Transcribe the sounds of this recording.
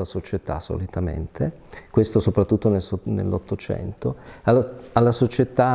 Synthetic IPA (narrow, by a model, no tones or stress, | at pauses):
asot͡ʃet̪a̰so̰lit̪amḛnt̪ʰe | kwest̪osopɾat̪ːut̪ːonelsnḛlːot̪ːot͡ʃɛ̰nt̪oaalːasot͡ʃet̪a